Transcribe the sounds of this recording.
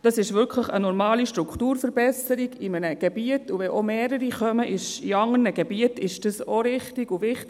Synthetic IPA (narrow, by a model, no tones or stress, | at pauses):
d̥ɑsɪʃʋʏkʰləχə̰nɔɾmɑːliʃtɾukʰtuːɾfəɾbɛsəɾiɡɪmənəɡ̥ebiətuvɛʔomeːɾəɾiχœməʔɪʃiɑŋərnəɡebiətɪʃd̥ɑsoɾɪχtɪɡuvɪχt